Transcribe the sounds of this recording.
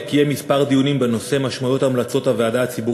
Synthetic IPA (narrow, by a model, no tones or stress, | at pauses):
kijemispaʁd̪ijunimbe̞no̞se̞maʃmajo̞t̪amlat͡so̞taveadaːt͡sibu